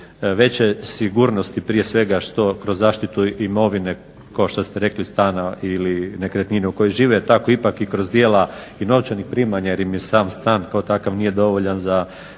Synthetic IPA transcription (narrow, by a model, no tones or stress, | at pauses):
ʋe̞t͡ɕesiɡuɾno̞st̪ipɾije̞sʋe̞ɡaʃt̪o̞kɾozːaːʃt̪it̪uimo̞ʋine̞ | kaoʃt̪ost̪eɾe̞klist̪aːnailine̞kɾet̪nineuko̞jiʒiːʋet̪akoipakikɾozd̪jeːlaino̞ʋt͡ʃanixpɾimaɲajeɾimjesaːmst̪aːnkaot̪akaʋnije̞d̪o̞ʋoʎanza